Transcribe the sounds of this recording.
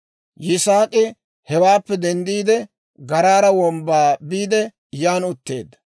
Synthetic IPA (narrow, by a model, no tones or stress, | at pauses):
jɪsaːkʼɪ | hɛwaːpːɛd̪ɛnd̪iːd̪ɛ | ɡɐɾaːɾɐwɔmbaːbiːd̪ɛ | jaːnʊt̪ːe̞ːd̪ːɐ̥